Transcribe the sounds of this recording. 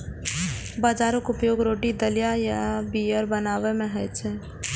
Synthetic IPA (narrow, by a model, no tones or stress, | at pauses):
baːd͡ʒaːɾəkʊpjoːɡɾoːʈid̪əlijajabiəɾbɐnaːʋemɛ̃ɦt͡ʃe